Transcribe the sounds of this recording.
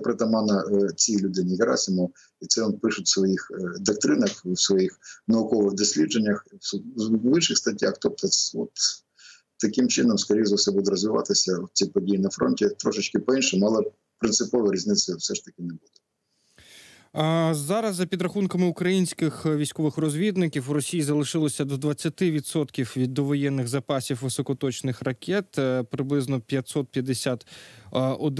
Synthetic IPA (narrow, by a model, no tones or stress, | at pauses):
pɾɪt̪ɐmɑnɐt͡sʲilʲʊd̪ɪnʲɪɦɪɾɑ̰sʲɪmɔ | it̪sɛɔnpɪʃʊtʲsʋɔjixd̪ɐk̚t̪ɾɪnɐxwsʋɔjixnɐʊkɔʋɪɣd̪ɔsʲlʲidd͡ʒenʲːɐx | ʋɪnʃɪxst̪ɐtʲːaxt̪ɔp̚t̪ɔɔt̪ | t̪ːɐkɪmt͡ʃɪnɔmskɔɾʲijzɐwsɛbud̪ɛɾɔzʋɪʋɑ̰t̪ɪsʲɐwt͡sʲipɔdʲijinɐfɾɔ̰nʲtʲit̪ɾɔʃɪt͡ʃkɪpɔinʃɛmʊɑlˠɪ | pɾɪnsɪpɔʋɐɾʲizʲnɪt̪sʲɐfsɛʃt̪ɐkʲɪnebud̪ɛ | zɑɾɐzːɐpʲid̪ɾɐxunkɐmɪukɾɐjinʲsʲkɪxʋʲijsʲkɔʋɪxrɔzʲʋʲid̪nɪkʲiwɾɔsʲijizɐlˠɪʃɪlˠɔsʲɐd̪ɔd̪ʋɐt͡sʲːɐt̪ɪʋʲid̪sɔt̪kʲiwʋʲid̪ːɔʋɔjɛnːɪɣzɐpɑsʲiwʋɪsɔkɔt̪ɔt͡ʃnɪxrɐkʲɛt̪pɾɪblˠɪznɔpʲjɐt̪ʲsɔt̪̚pʲjɐd̪esʲat̪ | ɔd̪